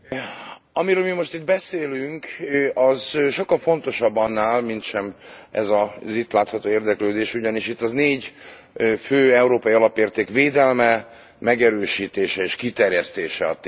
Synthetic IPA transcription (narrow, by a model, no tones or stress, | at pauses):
ɒmiɾøːlmimo̞ʃt̪id̪̚bɛseːlyŋkɒzʃo̞kːɒlfo̞nt̪o̞ʃɒbːɒnːaːlmint̪ʃɛmɛ̰zɒzit̪laːt̪hɒt̪oːeːrd̪ɛkløːd̪eːʃuɟɒniʃit̪ːɒzneːɟ | føːɛuɾoːpɒiɒlɒpeːrt̪eːkʋeːd̪ɛlmɛ | mɛɡɛɾøːʃiːt̪eːʃɛeːʃkit̪ɛrjɛst̪eːʃɛɒ̰t̪